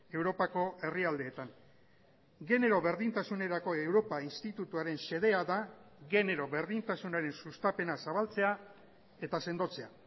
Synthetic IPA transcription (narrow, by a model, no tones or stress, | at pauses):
e̞wɾo̞pako̞e̞riald̪e̞ːt̪an | ɡe̞ne̞ɾo̞βe̞ɾðint̪asune̞ɾako̞e̞wɾo̞painst̪it̪ut̪uaɾe̞nse̞ð̞e̞aðaɣe̞ne̞ɾo̞βe̞ɾðint̪asunaɾe̞nsust̪ape̞nasaβ̞alt͡se̞a | e̞t̪ase̞nd̪o̞t͡se̞a